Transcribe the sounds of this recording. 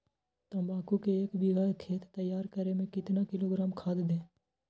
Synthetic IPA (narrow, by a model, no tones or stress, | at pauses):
t̪õbaːkukeeːkbɪɡaːɾkʰeːt̪t̪ːəjːaːɾkəɾemẽkɪt̪nakɪloːɡɾaːmkʰaːd̪d̪ẽː